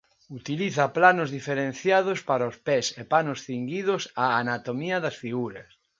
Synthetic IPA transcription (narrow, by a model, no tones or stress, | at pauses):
ut̪iliθɐplanʊzðifeɾẽnθjað̞ʊspaɾaospɛsepanʊsθiŋɡiðʊsaːnat̪omiɐðɐsfiɣuɾɐs